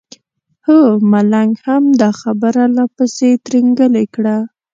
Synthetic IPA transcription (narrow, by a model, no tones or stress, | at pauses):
həmalaŋɡhamd̪axabəɾalapəset̪ɾiŋɡəlekɽa